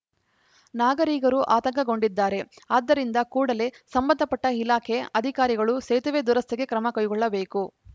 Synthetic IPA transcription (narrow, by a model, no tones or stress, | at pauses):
naːɡɐɾiːɡɐɾuʔaːt̪ɐŋkɐɡo̞ɳɖid̪ːaːɾe̞aːd̪ːɐɾind̪ɐkuːɽɐle̞sɐmbɐnd̪ʱɐpɐʈːɐilaːkʰe̞ɐd̪ʱikaːɾiɡɐɭuseːt̪ɐʋeːd̪uɾɐst̪eɡe̞kɾɐmɐkɐjɡɔɭːɐbe̞ːku